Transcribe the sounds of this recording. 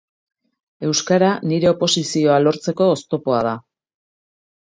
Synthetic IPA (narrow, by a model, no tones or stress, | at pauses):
e̞wskaɾaniɾe̞o̞po̞sisio̞alo̞ɾt͡se̞ko̞ːst̪o̞po̞að̞a